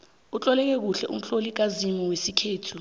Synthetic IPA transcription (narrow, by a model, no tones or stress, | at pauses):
ut͡ɬʼɔlɛk̬ɛk̬uɬɛʔum̩ɬolik̬azimiwesikʰeːtʰu